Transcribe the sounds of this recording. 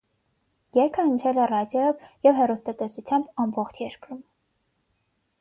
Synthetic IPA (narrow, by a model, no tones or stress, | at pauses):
jɛɾkʰəənt͡ʃʰɛlɛrɑdjɔjɔvjɛvɦɛrust̪ɑt̪ɛsut͡sʰjɑmbɑmbɔχt͡ʃʰjɛɾkɾum